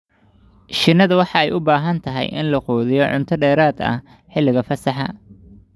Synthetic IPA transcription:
ʃɪnːɐðɐwɑħɑɛjʊbaːɦɐnt̪ʰɐɦɛ̰jʔɪ̰nlɐqɔːðɪjɔʕʊ̰nt̪ʰɐɖɛːɾaːd̪ɐ̰ | ħɪlːɪɣɐfɐsɑħɑ̰

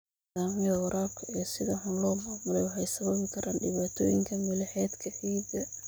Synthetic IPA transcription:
aːmwʊɾʔaːbkʰɐijɔsɪðɐħʊnlɔːmaːmʊlɛjwɑħɛjsɐβɐβɪkʰɐɾʔaːnɖɪβaːt̪ʰɔ̰ːjɪ̰ŋkʰɐmʊlɐħɛːd̪kʰɐħiːd̪ɐ

